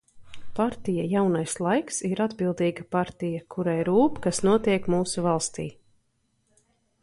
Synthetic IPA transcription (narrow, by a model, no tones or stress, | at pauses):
paɾt̪ijajawnajslˠajksiɾad̪bilˠd̪iːɡapaɾt̪ijakʰuɾajɾuːpkasnuɔt̪iɛkmuːsuvalˠst̪ḭː